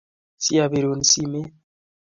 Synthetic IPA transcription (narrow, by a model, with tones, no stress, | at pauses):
si˦a˨βe˨ɾo˨n˨si˦me˦